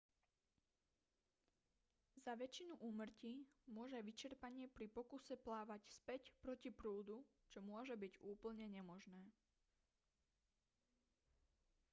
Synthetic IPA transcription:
zaʋɛt͡ʃinuʔuːmr̩cimʊɔʒɛajʋit͡ʃɛɾpaɲɪɛpɾipɔkusɛplaːʋacspɛcpɾɔcipɾuːd̪u | t͡ʃɔmʊɔʒɛbiɟuːpl̩ɲɛɲɛmɔʒnɛː

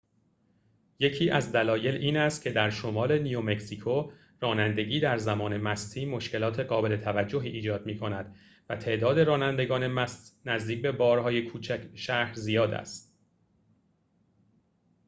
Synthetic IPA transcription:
je̞cʰiːʔæzd̪ælɒːje̞liːnæst̪̚cʲʰe̞d̪æɾʃo̞mɒːle̞nijome̞ksikʰo | rɒːnænd̪e̞ɟiːd̪æɾzæmɒːne̞mæst̪ʰiːmo̞ʃce̞lɒːt̪ʰe̞ɡɒːbe̞le̞t̪ʰævæd͡ʒːo̞ɦiːʔːd͡ʒɒːd̪miːkʰo̞næd̪̥ | væt̪ʰe̞ʔd̪ɒːd̪e̞ɾɒːnænd̪eɡɒːne̞mæst̪næzd̪iːc̚be̞bɒːɾɦɒːje̞kʰuːt͡ʃʰæʃæhɾzijɒːd̪æ̰st̪̚

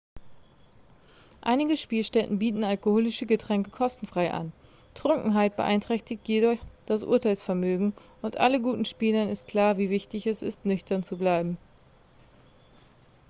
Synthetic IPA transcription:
ʔa̰ɪnɪɡəʃpiːlʃtɛtn̩biːtn̩alkohoːlɪʃəɡətʁ̥ɛŋkəkʰɔstn̩fʁ̥aɪʔa̰n | tʁ̥ʊŋkŋ̩ɦaɪt̚b̥ə̰ʔa̰ɪntʁ̥ɛçtɪçtjeːdɔçd̥asʔʊ̰ːɐtaɪlsfɛɐmøːɡŋ̩ | ʊntʔa̰ləɡuːtn̩ʃpiːlənɪstkʰl̥aːɐviːvɪçtɪçɛsɪ̰stnʏçtɐnt͡sublaɪbm̩

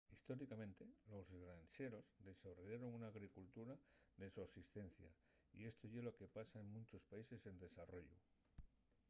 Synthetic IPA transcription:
ist̪o̞ɾikamẽ̞nt̪e̞lo̞zɣɾanse̞ɾo̞zd̪e̞soβrojaɾo̞ŋunaːɣɾikult̪uɾaðe̞suasist̪e̞n̟θja̰ | ḭe̞st̪oʝeloke̞pasae̞ŋmũnt͡ʃo̞spaise̞se̞nd̪e̞saro̞ʎṵ

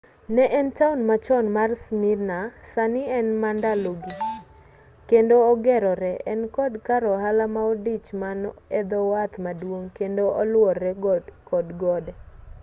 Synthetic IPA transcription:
nɛʔɛntaunmat͡ʃɔnmarsmirnasanɪɛnmandaloɡi | kendoːɡɛɾɔɾɛʔɛnkɔdkaɾɔɦalamaodit͡ʃmanɛd̪ɔwat̪madwoŋkendoʔɔlwɔrɛkɔdɡɔdɛ

